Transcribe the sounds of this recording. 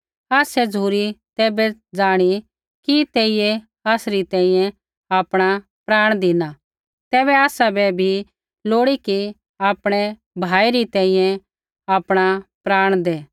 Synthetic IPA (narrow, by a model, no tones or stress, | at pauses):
aːsɛd͡zuːɾit̪ɛːbɛd͡zaːɽ̃i | kit̪eːije | aːsɾit̪ɛ̃ːĩjɛ̃ | aːpɽ̃a | pɾaːɽ̃d̪ɪna | t̪ɛːβɛaːsabɛbʱi | loːɽiki | aːpɽ̃ɛ | bʱaːiɾit̪ɛ̃ːĩjɛ̃ | aːpɽ̃apɾaːɽ̃d̪ɛː